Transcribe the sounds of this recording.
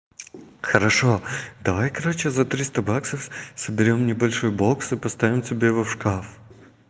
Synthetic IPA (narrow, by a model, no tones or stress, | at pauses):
xəɾɐʂod̪ɐvajkɐɾot͡ɕɪzɐt̪ɾʲist̪ɐbaksəfsəbʲɪɾʲo̞mnʲɪbɐlʲʂojboksɨpɐst̪avʲɪmtʲɪbʲevɐfʂkaf